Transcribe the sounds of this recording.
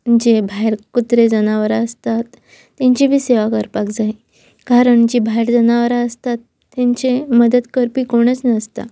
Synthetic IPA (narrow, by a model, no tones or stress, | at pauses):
məd͡ʑebʱajɾkut̪ɾed͡zənaʋəɾaəst̪at̪ː | jãɲt͡ɕibʱiːseʋakəɾpakd͡zai | kaɾəɳd͡ʑibʱajɾd͡zənaʋəɾaəst̪at̪ːjaɲt͡ɕeməd̪əd̪kəɾpiːkoɽ̃ət͡snəst̪a̰